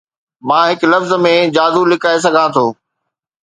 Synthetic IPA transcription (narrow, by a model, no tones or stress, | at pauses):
mãːɦɪklɐfzə̆mẽd͡ʑaːd̪ulɪkaːes̬ɐɡʱãːt̪ʰoː